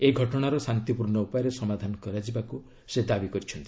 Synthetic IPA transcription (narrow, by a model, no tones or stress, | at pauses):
eɡʱɔʈɔɽ̃aɾɔsant̪ipuɾɳɔupɔjɔɾesɔmad̪ʱanɔkɔɾad͡ʒibaku | sed̪abikɔɾit͡ʃʰɔnt̪i̥